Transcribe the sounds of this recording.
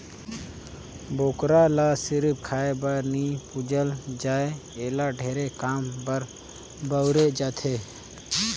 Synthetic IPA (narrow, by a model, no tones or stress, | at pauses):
boːkɾaːlaːsɪɾp̚kʰaːebəɾniːpʊd͡ʒəld͡ʒaːeeːlaːɖʱeːɾeːkaːmbəɾ | bəʊɾeːd͡ʒaːt̪ʰeː